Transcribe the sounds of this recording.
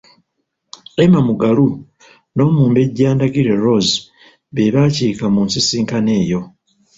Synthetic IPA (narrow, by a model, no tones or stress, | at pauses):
emamuɡalu | no̞ːmuːmbe̞ɟːaːndaɡiɾe̞ɾoz | βe̞βaːciːkamuːnsisiːŋkane̞ːjo̞